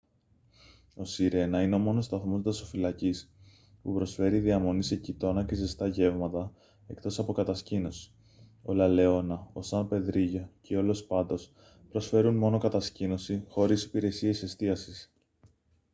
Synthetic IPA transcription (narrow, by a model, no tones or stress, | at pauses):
o̞siɾe̞nɐineo̞mo̞no̞st̪ɐθmo̞zt̪ɐso̞filɐcis | pupɾo̞sfe̞ɾiðiɐmo̞nise̞cit̪o̞nɐce̞zest̪ɐʝe̞vmɐt̪ɐ | e̞kt̪o̞sɐpo̞kɐt̪ɐscino̞si̥ | o̞̰lɐle̞o̞nɐosɐnpe̞ðɾiʝocʰeo̞lo̞spɐnd̪o̞s | pɾo̞sfe̞ɾunmo̞no̞kɐt̪ɐscino̞sixo̞ɾisi̥piɾe̞sie̞se̞st̪iɐsis